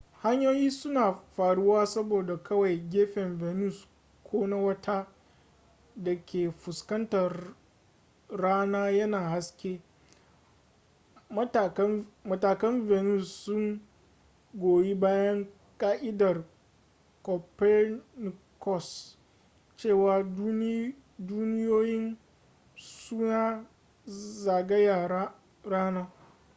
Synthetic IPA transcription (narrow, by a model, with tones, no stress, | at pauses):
ha˦ɲjoː˦jiː˦sʊ˦naː˨ɸaː˨ɽʊ˦waː˦sɐ˦boː˨da˨kʰɐ˦wa˨jɡʲeː˦ɸɛ˨mveː˨nu˦˨s | kʷʰoː˦na˦wɐ˦tʰa˦ | dɐ˨kʲʰeː˨ɸʊ˨skɐ˦ntɐ˨r | aː˦naː˦jɐ˦naː˨ha˦skʲeː˦˨˦ | mɐ˨taː˨kɐ˦mveː˨nu˦˨sːʊ˦ŋ | ɡʷoː˨ji˦baː˦jɐ˦ŋ | kʼaː˦ʔɪ˦dɐ˨r | kɔ˨pɛ˦n˨ | kɔ˦˨s | t͡ʃeː˦˨waː˨˦ | duː˦nɪ˦joː˦jɪ˦n | suː˦naː˦ | zaː˨ɡɐ˦ja˨a˦ | ɾaː˦naː˦